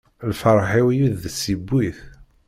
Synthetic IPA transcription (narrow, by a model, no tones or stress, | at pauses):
lfəɾˤħiwijuðːəsibːiθ